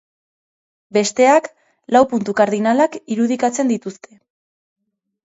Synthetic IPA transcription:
be̞st̪e̞ak | lawpunt̪ukaɾðinalakiɾuð̞ikat͡se̞nd̪it̪ust̪ʰe̞

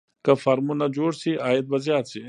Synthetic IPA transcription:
kɐfɐɾmunɐd͡ʑoːɾsiʔaːjet̪̚bɐzijaːt̪si

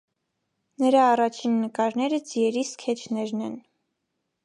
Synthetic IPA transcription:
nəɾɑːrɑt͡ʃʰinːəkɑɾnɛɾəd͡zijɛɾiskʰɛt͡ʃʰnɛɾnɛn

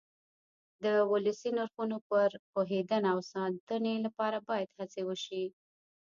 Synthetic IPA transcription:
d̪əwʊləsinaɾxunopəɾpoɦed̪ənaawsɑnd̪ənelapɑɾabɑjad̪hat͡sewəʃi

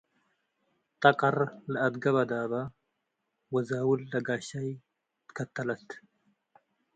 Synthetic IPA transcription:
t̪ɐkʼɐɾlɐɐd̪ɡɐbɐd̪aːbɐ | wɐzaːwʊlːɐɡaːʃɐj | t̪kɐt̪ːɐlɐt̪

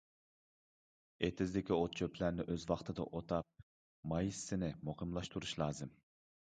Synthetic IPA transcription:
et̪ʰɪzlɪkʲiot̪̚t͡ʃʰøpʰlæɾnɪʔøzwɑχt̪ʰɨd̪ɑ̰ʔot̪ʰɑp̚ | mɑjisːɪnɪmuχɨmlˠɑʃt̪uɾuʃlˠɑːzɨm

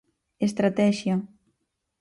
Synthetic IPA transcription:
est̪ɾat̪ɛʃja

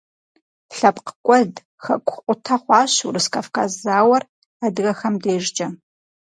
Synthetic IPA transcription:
ɬɐpqəkʷʼɔd | xɐ̰kʷʼʊqʷʼʊtʰɐχʷɑːɕṵrɨskʰɐfkazaːwɐr | aːdɨɣɐxɐmdeːʒd͡ʒʼɐ

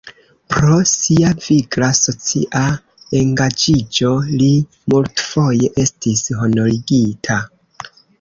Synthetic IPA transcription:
pɾo̞siaviɡlaso̞t͡sḭʔa | e̞ŋɡad͡ʒid͡ʒo̞li | multfo̞je̞ʔe̞stisɦo̞no̞ɾiɡitʰa

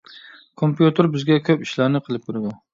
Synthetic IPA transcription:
kʰompjut̪ʰɨɾbɪzɡʲɛkʲʰøpiʃlæɾnɨqʰəlˠɨp̚kʲʊɾɪd̪u

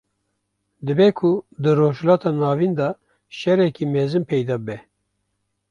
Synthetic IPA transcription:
d̪ɨbɛkʰʊd̪ɨɾoːʒhlɑːt̪ʰɑːnɑːvind̪ɑ | ʃɛɾɛkimɛzɨnpʰɛjd̪ɑːbəbɛ

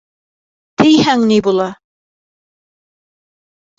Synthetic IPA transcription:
t̪ɘjhæŋnibulˠɑ

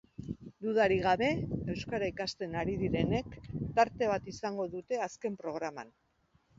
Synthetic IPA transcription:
d̪uðaɾiɣ̞aβe̞e̞wskaɾaikast̪e̞naɾiðiɾe̞ne̞kt̪aɾt̪e̞β̞at̪isaŋɡo̞ðut̪e̞aske̞mpɾo̞ɣ̞ɾama̰n

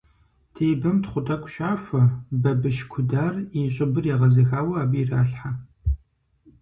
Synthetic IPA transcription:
tʰeːbɐmtχʷʊtʼɐkʷʼʃaːʂʷɐbɐbɨʃkʷʰʊdaːriɕʼɪbɨrjaːʁɐzɐxaːwɐaːbiraːɬħa

